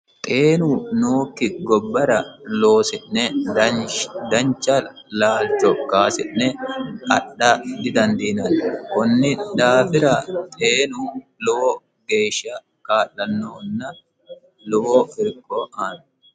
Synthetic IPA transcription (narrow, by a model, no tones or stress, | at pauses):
t̪ʼeːnunoːkːɪɡɔbːɐɾɐloːsɪʔnɛ | d̪ɐɲt͡ʃːɐ | laːlt͡ʃɔkaːsɪʔːɛkʼɐ̰ɗɐd̪ɪd̪ɐnd̪iːnɐnkɔnːɪᶑ̪aːfɪɾɐt̪ʼeːnuːloɔ | ɡe̞ːʃːɐ | kaːlːɐnːoːnːɐ | lɔofɪɾkʼːoʔaːn